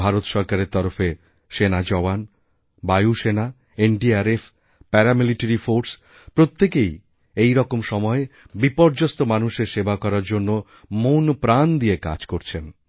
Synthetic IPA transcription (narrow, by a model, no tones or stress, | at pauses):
bʱaɾot̪ʃɔɾkaɾeɾt̪ɔɾofe | ʃenad͡ʑɔan | bajuʃena | enɖiaɾefʰ | pɛɾamiliʈeɾifoɾs | pɾot̪ːekej | ejɾɔkomʃɔmɔe | bipɔɾd͡ʑost̪omanuʃeɾʃebakɔɾaɾd͡ʑonːo | monpɾand̪ieka̰d͡ʑkoɾt͡ɕʰen